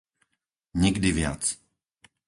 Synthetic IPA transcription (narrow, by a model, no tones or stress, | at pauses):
ɲɛɡdivɪja̰t͡s